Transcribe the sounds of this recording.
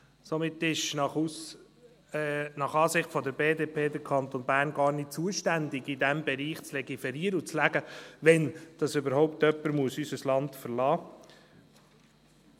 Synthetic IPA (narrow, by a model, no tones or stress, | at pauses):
somɪt̪ːɪʃ | nɑχɑːsɪχtfɔd̪əɾbeːdepʰeːd̪əɾkʰɑnt̪onbæːɾnɡɑːɾnɪt̚t͡suəʃtænd̪ɪɡɪdæmbɛɾiːχt͡slɛɡifɛɾiːəɾəut͡slæɡəʋɛnd̥ɑsʏbəɾɦɔʊpt̪œpːəɾmuəsysəslɑntfəɾlɑː